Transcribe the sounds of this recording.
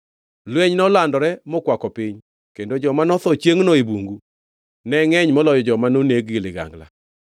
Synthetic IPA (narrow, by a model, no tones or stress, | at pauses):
lweɲnɔlandɔɾɛmɔkwakɔpɪɲ | kendod͡ʒɔmanɔt̪ɔt͡ʃjeŋnɔebuŋɡu | nɛŋɛɲmɔlɔjɔd͡ʒɔmanoneɡɡilɪɡa̰ŋɡla̰